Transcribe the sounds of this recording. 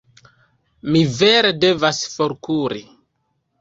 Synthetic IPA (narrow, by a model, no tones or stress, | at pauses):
mive̞ɾede̞vasfoɾkuɾi